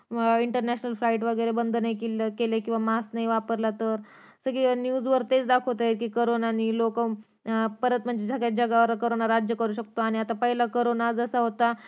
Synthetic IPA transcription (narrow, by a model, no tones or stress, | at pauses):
iɳʈəɾnæɕnəlflaiʈʋəɡəjɾebənd̪ʱnekkelekĩw̃ʋamasnaɦiʋapəɾlat̪əɾsəɡinjuːd͡zʋəɾt̪et͡sd̪akʰot̪aeɾkiːkoɾonaniːlokə | pəɾət̪m̤əɳd͡zed͡zakjad͡ʑəɡaʋəɾkoɾonaɾad͡ʑjəkəɾuːɕ̬əkt̪oaɽ̃iat̪apəɦilakoɾonad͡zəsəɦot̪a